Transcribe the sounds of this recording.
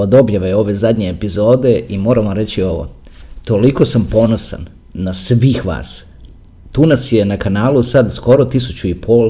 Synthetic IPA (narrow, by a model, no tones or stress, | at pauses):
od̪o̞bjaʋeo̞ʋe̞zad̪ɲeːpizo̞ːd̪e̞ʔimo̞ːɾaʋamɾet͡ɕio̞ʋo̰ | t̪o̞liko̞sampo̞no̞sa̰nː | asʋiːxʋa̰ːs | t̪uːnasje̞nakanaːlusad̪sko̞ɾo̞t̪isut͡ɕuipʰol